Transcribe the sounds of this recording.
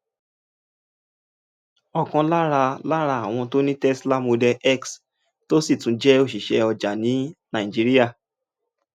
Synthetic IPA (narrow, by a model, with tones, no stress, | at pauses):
ɔ˨kɔ̃˧la˦ɾa˧la˦ɾa˧a˦˨w̃ɔ̃˧to˦nĩ˦tɛ˦sla˦mo˧dɛ˧ʔɛ˦ks | to˦si˦˨tũ˨˦d͡ʒɛ˦o˦˨ʃi˨ʃɛ˧ɔ˧d͡ʒa˨nĩ˨˦nã˨i˨d͡ʒi˨˧ɾi˦ja˦˨